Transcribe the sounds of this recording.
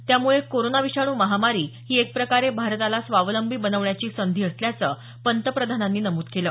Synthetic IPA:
t̪jamuɭekoɾonaʋiɕaɽ̃uːməɦamaɾiːɦiːek̚pɾəkaɾebʱaɾt̪alasʋaʋləmbʱiːbənəʋɳjat͡ɕiːsənd̪ʱiːəsljat͡səː | pənt̪əpɾəd̪ʱananːiːnəmuːt̪keləː

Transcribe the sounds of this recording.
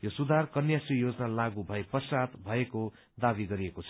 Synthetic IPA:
josud̪ʱarkʌnjasrijod͡zʌnalaɡubʱʌepʌsat̪bʱʌeko | d̪abiɡʌɾiekot͡sʰʌ

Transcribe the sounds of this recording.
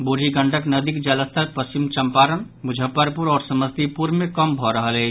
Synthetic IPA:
buɾiɡəɳɖəknəd̪ikd͡ʒələst̪ʰəɾpəst͡ʃimt͡ʃəmpaɾən | bud͡ʒʱəpːəɾpuɾɔːɾsəməst̪ʰipuɾmẽkəmbʱɔɾəɦəlɛ

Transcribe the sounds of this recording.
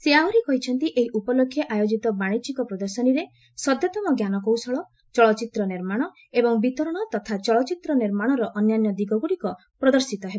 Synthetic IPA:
seaɾikɔɦit͡ʃʰɔnt̪iʔeɦiʔupɔlokʰːjɔʔajod͡ʒit̪ɔbaɽ̃it͡ʃikɔpɾɔd̪ɔɾsɔniɾe | sɔd̪ʱjɔt̪ɔmɔɡjanɔkowsɔɭɔ | t͡ʃɔɭɔt͡ʃit̪ɾɔniɾmaɽ̃ɔ | ebɔŋbit̪ɔɾɔɽ̃ɔt̪ɔt̪ʰat͡ʃɔɭɔt͡ʃit̪ɾɔniɾmaɽ̃ɔɾɔʔɔnjanjɔd̪iɡɔɡuɽikɔ | pɾɔd̪ɔɾsit̪ɔɦebɔ

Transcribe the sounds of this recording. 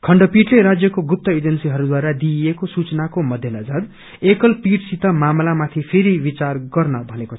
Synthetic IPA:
kʰʌɳɖʌpiʈleɾad͡zjʌkoɡup̚t̪ʌed͡zʌnsiɦʌɾud̪waɾad̪iekosut͡snakomʌd̪ʱjʌnʌd͡zad̪ | ekʌlpiʈsit̪ʌmamlamat̪ʰipʰeɾibit͡sarɡʌrnʌbʱʌneko

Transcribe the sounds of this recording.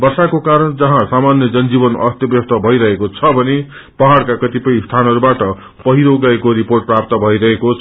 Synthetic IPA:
bʌrsakokaɾʌnd͡zʌɦãsamanjʌd͡zʌnd͡zibʌnʌ̰st̪jʌbjʌst̪ʌbʱʌiɾʌɦekot͡sʰʌbʱʌne | pʌɦaɽkakʌt̪ipʌĩst̪ʰanʌɾubaʈʌ | pʌɦiɾoɡaekoɾiporʈ̚prap̚t̪ʌbʱʌiɾʌɦekot͡sʰ

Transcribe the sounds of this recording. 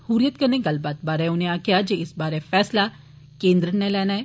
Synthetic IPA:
huːɾijət̪kɐɾneɡɐlbaːt̪̚baːɾɦɛ̃ʊnɦẽaːkijad͡ʒeːɪsbaːɾefɛːsla | kẽːnd̪ɾənnelɛːnaɦɛː

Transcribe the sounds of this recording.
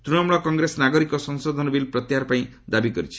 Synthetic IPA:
t̪ɾuɽɔmɭɔkɔŋɡɾesɔnaɡɔɾikɔsɔŋsɔd̪ʱɔnɔbilpɾɔt̪jaɾpaĩ | d̪abikɔɾit͡ʃʰi̥

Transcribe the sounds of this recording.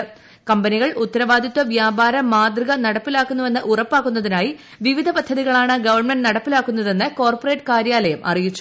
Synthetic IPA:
kɐmbɐniɣɐɭut̪ːɐɾɐʋaːd̪ʱiɐt̪ːɐʋjaːbaːɾɐmaːd̪riɣɐnɐɽɐpːilaːkːunːue̞nːɨʔurɐpːaːkːunːɐðinaːji | ʋiʋid̪ʱɐpɐd̪ʱːɐðiɣɐɭaːɳɨɡɐʋɐrɳmenɖnɐɽɐpːilaːkːunːɐðe̞nːɨko̞ːrporeːʈːɨkaːɾjaːlɐjɐmʔɐ̰rijit͡ɕːu̥

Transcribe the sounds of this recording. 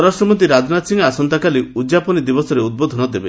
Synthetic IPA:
ɔɾasʈɾɔmɔt̪̬iɾad͡ʒnat̪siŋɡasɔnt̪akaliud͡ʒapɔnid̪ibɔsɔɾeud̪̚bod̪ʱɔnɔd̪ebe

